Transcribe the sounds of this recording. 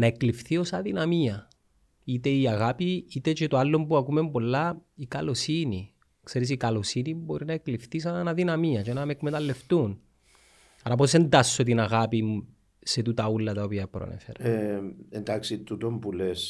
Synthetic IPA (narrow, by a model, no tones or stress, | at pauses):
nɐeklifθio̞sɐðinɐmiɐ | it̪e̞iɐɣapiit̪et͡ʃet̪oalːo̞mpuɐkume̞mpo̞lːɐikɐlo̞sini | kse̞ɾis̬ikɐlo̞sinimbo̞ɾinɐe̞klifθis̬ɐnnɐðinɐmiɐt͡ʃenɐmekmet̪ɐlːe̞ft̪un | ɐɾɐp̬o̞se̞nd̪ɐsːo̞t̪inɐɣapimu | set̪ut̪ɐulːɐt̪ɐopiɐpɾo̰nḛfḛɾɐend̪aksit̪ut̪ompules